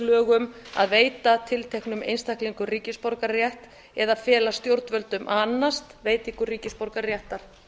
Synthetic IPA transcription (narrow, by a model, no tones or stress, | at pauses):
lœːɣʏma̰ðveːjt̪at̪ʰɪlt̪ʰehknʏmḛjnst̪ahkliŋkʏriːcɪspɔɾkaɾjɛht̪ | ɛðafɛːlast̪jowɾt̪nvœlt̪ʏmʔaːnast̪veːjt̪iŋkʏriːcɪspɔɾkaɾrjɛht̪aɾ̥